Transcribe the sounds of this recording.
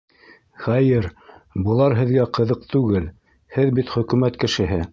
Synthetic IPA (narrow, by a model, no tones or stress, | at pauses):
χæjɘɾbɤ̆lˠɑɾɦɘ̆ðɡæqɤ̆ðɤq̚t̪ʉɡɘl | hɘðbit̪χɵ̆kʉmæt̪kɘ̆ʃɘ̆ɦɘ